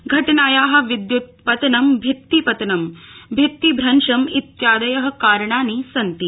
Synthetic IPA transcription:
ɡʱɐʈɐnaːjaːɦɐ̆ʋid̪jut̪̚pɐt̪ɐnɐmbʱit̪ːipɐt̪ɐnɐmbʱit̪ːibʱɾɐnʂɐmit̪jaːd̪ɐjɐɦɐ̆kaːɾɐɳaːnisɐnt̪i

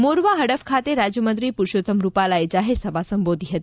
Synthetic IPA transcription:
moɾʋaɦəɽəfkʰat̪eɾad͡ʒjəmənt̪ɾipuɾʃot̪əmɾupalaed͡ʒaɦeɾsəbʱasəmbod̪ʱiɦət̪i

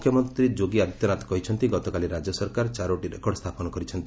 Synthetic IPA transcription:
ukʰjɔmɔnt̪ɾid͡ʒoɡiad̪t̪jɔnat̪ɔ̥kɔɦit͡ʃʰɔnt̪iɡɔt̪ɔkaliɾad͡ʒɔsɔɾkaɾt͡ʃaɾoʈiɾekɔɽst̪ʰapɔnɔkɔɾit͡ʃʰɔnt̪i

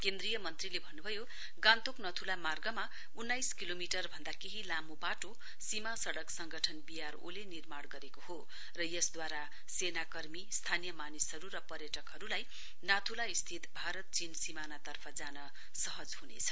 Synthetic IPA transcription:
kend̪rijʌmʌnt̪rilebʱʌnːubʱʌjo | ɡãnt̪oknʌt̪ʰulamarɡʌma | unːajskilomiʈʌrbʱʌnd̪akeɦilamobaʈo | simasʌɽʌksʌŋɡʌʈʰʌnbijaro̰lenirmaɽɡʌɾekoho | rʌjʌsd̪waɾa | senakʌrmist̪ʰanijʌmanisɦʌɾuɾʌpʌrjʌʈʌkɦʌɾulaj | nat̪ʰulaist̪ʰit̪bʱaɾʌt̪̚t͡sinsimanat̪ʌrpʰʌd͡zanʌ | sʌɦʌd͡zhunet͡sʰʌ̥

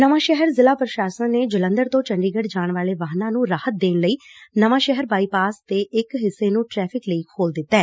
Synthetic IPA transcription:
nəʋãːʃɛɦəɾzɪlaːpɾəʃaːsənneːd͡ʒələ̃nd̪əɾt̪õːt͡ʃəɳɖiːɡəɖd͡ʒaːɳʋaːleːʋaːɦnãːnũːɾaːhət̪̚d̪eːnləiːnəʋãːʃɛɦəɾbaːiːpaːst̪eːʔɪkɦɪsːeːnũːʈɾɛːpʰɪkləiːkʰoːld̪ɪt̪ːɛː

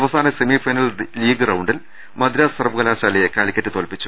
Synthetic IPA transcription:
ɐʋɐsaːnɐsemifɐjnɐlliːɡrɐwɳɖil | mɐd̪iɾaːɐrbuɣɐlaːɕaːlɐjekaːɭikʲːɐtːɨt̪o̞ːlpit͡ɕːu̥

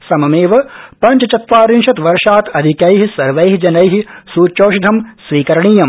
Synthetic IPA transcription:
sɐmɐmeːʋɐpɐɲt͡ʃɐt͡ʃɐt̪ʋaːɾinʃɐt̪ʋɐɾʂaːt̪ɐd̪ʱikɐjɦisɐɾʋɐjɦid͡ʒɐnɐjɦisuːt͡ʃoːʃd̪ʱɐmsʋiːkɐɾɐɳiːjɐm

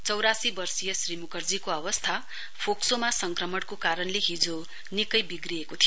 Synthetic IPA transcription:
t͡sʌwɾasibʌrsijʌsrimukʌrd͡zikoʌbʌst̪ʰa | pʰoksomasʌŋkrʌmʌɽkokaɾʌnleɦid͡zo | nikʌjbiɡriekot̪ʰijo

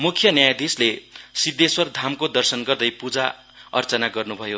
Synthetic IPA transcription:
mukʰjʌnjajd̪islesid̪eswʌrd̪ʱamkod̪ʌrsʌnɡʌrd̪ʌjpud͡za | ʌ̰rt͡sʌnaɡʌrnubʱʌjo

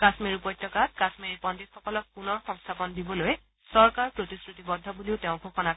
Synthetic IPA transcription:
kasmiɹupɔjtʰːɔkat̚kasmiɹipɔnditxɔkɔlɔk̚punɔɹxɔ̃ŋst̪ʰapɔndibɔloj | sɔɹkaɹpɹotiskɹutibɔdʱːɔbuliʊteʊ̃ɡʱoxɔna

